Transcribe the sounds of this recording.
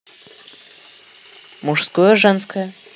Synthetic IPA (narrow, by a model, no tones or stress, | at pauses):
muʂskojɐʐɛnskʰɐj